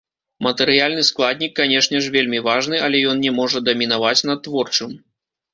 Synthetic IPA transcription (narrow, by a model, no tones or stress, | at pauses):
mɐt̪ɛɾɨjalʲnɨsklˠad̪̚ʲnʲikːanʲɛʂnʲɛʂvʲelʲmʲivaʐnɨʔɐlʲɛjɔnnʲɛmɔʐɐd̪ɐmʲinavat͡sʲnɐt̪ːvɔrt͡ʂɨm